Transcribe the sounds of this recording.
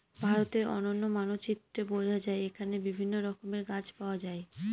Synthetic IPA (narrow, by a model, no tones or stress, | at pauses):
bʱaɾot̪eɾɔ̰nonːomanot͡ɕit̪ɾebod͡ʑʱad͡ʑaeekʰanebibʱinːoɾɔkomeɾɡat͡ɕpaoad͡ʑae